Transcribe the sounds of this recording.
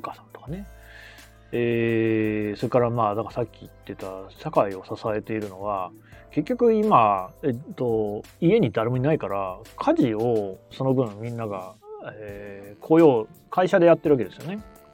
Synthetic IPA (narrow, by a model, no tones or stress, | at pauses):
okasãnt̪o̞̥kane̞ | eː | so̞ɾe̞kaɾamaːd̪akasakʲːiit̪ːe̞t̪aɕakaio̞sasae̞t̪e̞iɾɯ̟no̞βa | ke̞kʲːo̞kɯ̟imaet̪ːo̞ | ie̞ɲ̟id̪aɾe̞moɲ̟inaikaɾakʰaʑio̞so̞no̞bɯ̟̃mːʲĩnːaɡaekʰoːjo̞ː | kʰaiɕad̪e̞jat̪ːe̞ɾɯβaked̪e̞sɨjone̞